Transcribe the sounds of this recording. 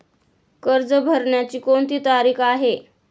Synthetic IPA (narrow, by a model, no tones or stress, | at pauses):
kəɾd͡zəbʱəɾɳjat͡ɕiːkont̪iːt̪aɾiːkʰaɦe